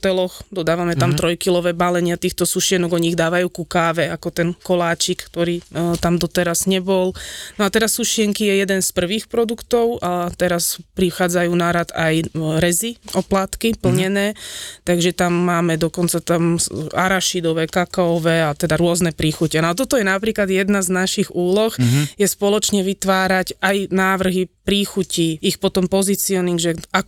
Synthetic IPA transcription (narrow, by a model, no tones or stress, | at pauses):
ɔt̪ɛlɔxd̪ɔd̪aːʋamɛt̪amt̪ɾɔjkilɔʋɛːbalɛɲɪat̪iːxt̪ɔsuʃɪɛnɔɡɔɲiːɣd̪aːʋajuːkukaːʋɛakɔt̪ɛnkɔlaːt͡ʃikt̪ɔɾiːt̪amd̪ɔt̪ɛɾaz̥ɲɛbɔlnɔat̪ɛɾasːuʃɪɛŋkijɛjɛd̪ɛnspr̩ʋiːxpɾɔd̪ukt̪ɔʊʔat̪ɛɾaspɾixaːd͡zajuːnaɾat̪ajɾɛziɔplaːt̪kipl̩ɲɛnɛːt̪aɡʒɛt̪amːaːmɛd̪ɔkɔnt͡sat̪amaɾaʃid̪ɔʋɛkakaɔʋɛːat̪ɛd̪aɾʊɔznɛpɾiːxucɛnɔat̪̬ɔt̪ɔjɛnapɾiːklad̪jɛd̪naznaʃiɣuːlɔxjɛspɔlɔt͡ʃɲɛʋit̪ʋaːɾaɟajnaːʋr̩ɦipɾiːxuciixpɔt̪ɔmpɔzit͡siɔniŋɡʒɛak